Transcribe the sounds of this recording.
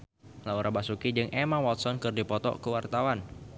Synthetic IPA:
lauɾʔabasukid͡ʒɨŋʔemawɔt̪̚sɔnkɨrdipɔt̪ɔ̰kəwart̪awan

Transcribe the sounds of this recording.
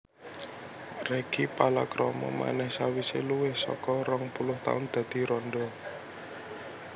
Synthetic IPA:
reɡ̥ipalakɾɔmɔ̰ma̰nɛhsawiseluwɪhsɔ̰kɔɾɔŋpulʊht̪a̰ʊnd̪̥a̤d̪̥i̤ɾɔnɖɔ

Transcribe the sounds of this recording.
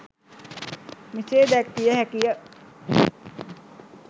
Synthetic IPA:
miseːd̪æk̚t̪ijəhækijə

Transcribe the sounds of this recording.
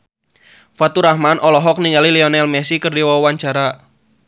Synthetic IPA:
fat̪uɾahmanʔɔlɔɦɔk̚niŋaliliɔnɛlmɛsikərdiwɔwaɲt͡ʃaɾa

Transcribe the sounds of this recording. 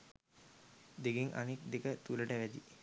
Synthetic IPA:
d̪eɡeŋʔa̰nek̚d̪ekət̪uləʈəʋæd̪i

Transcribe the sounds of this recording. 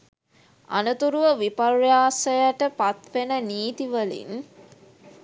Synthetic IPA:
a̰nət̪uɾuʋəʋiparjaːsəjaʈəpat̪ʋenəniːt̪iʋəlḭn

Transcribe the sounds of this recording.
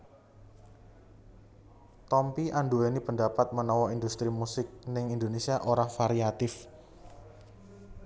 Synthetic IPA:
t̪ɔmpiʔanduenipəɳdapat̪̚mənɔwɔind̪ust̪ɾimusɪk̚nɪŋind̪onesiaʔoɾahfaɾiat̪ɪf

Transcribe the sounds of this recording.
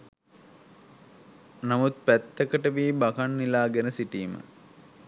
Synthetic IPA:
namut̪̚pæt̪ːəkəʈəʋiːbakanːilaːɡenəsiʈiːmə̰

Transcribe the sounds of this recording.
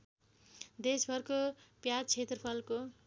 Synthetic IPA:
d̪esbʱʌrkopjat͡sʰet̪rʌpʰʌlko

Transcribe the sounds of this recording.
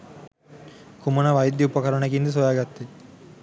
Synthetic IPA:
kumɐnɐʋɐjɐd̪jɐupɐkɐɾɐɳɐkind̪ɐs̬ojaːɡɐt̪ːi

